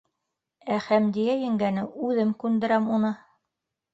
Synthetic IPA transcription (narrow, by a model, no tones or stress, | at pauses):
æχæmd̪ijæjɘ̆ŋɡænɘʉðɘmkʉnd̪ɘ̆ɾæmunɤ